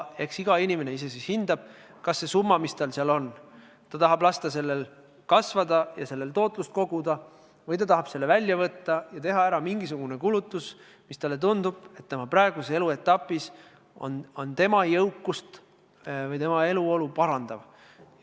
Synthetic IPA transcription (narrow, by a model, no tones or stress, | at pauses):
e̞ksiɡ̥ɑinʲimene̞ise̞sishind̪̥ɑb̥̚ | kɑsːe̞sumːɑmist̪ɑlseɑlo̞n | t̪ɑt̪ɑɦɑblɑst̪ɑse̞lːel | kɑsvɑd̪ɑjɑse̞lːelt̪o̞ːt̪ˑlust̪̚ko̞ɡ̥ud̪̥ɑ | vɤjt̪ɑt̪ɑɦɑb̥se̞lːevælʲːjɑvɤt̪ːɑjɑt̪e̞ɦɑæɾɑmiŋɡis̬uɡ̥une̞kulut̪ːˑus | mist̪ɑlːet̪und̪ub̥e̞t̪ːemɑprɑeɡ̥usee̞lue̞t̪ːˑɑpːˑis | o̞̰nont̪e̞mɑjɤwkːˑust̪ | vɤjt̪e̞mɑe̞luo̞lupɑɾɑnd̪̥ɑv